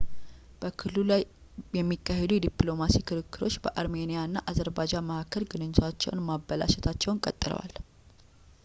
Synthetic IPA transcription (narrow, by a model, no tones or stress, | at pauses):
b̥əkʰɨlːulaj | jɛmːikːaɦed̪ujɛd̪iplo̞masikʰɨɾɨkːɨɾo̞t͡ʃːbəʔaɾme̞nijaɨnːaʔazəɾbad͡ʒaməhakːəlɡɨnɨɲːɪt̪ʰat͡ʃːɛ̰wnmabːəla̰ʃɛt̪ʰat͡ʃːɛwnkʼət̪ʼːɨlə̰wa̰l